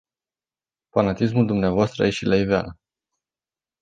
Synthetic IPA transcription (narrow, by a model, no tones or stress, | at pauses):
fanat̪is̬muld̪umneavoast̪ɾə̰jeʃilʔaivea̰lə